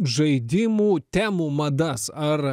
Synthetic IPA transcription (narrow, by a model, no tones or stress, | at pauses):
ʒɐɪd̪ʲɪmuːt̪ʲæːmuːmɐd̪ɐsɐɾ